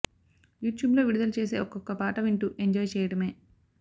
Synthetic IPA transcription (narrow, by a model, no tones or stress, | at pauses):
juːʈjuːblo̞ːʋiɽud̪ɐlut͡ʃe̞ːse̞̰ːʔɔkɔkːɐpaːʈɐʋiɳʈuʔeɲd͡ʒɔːjt͡ʃɛːjɐɽɐme̞ː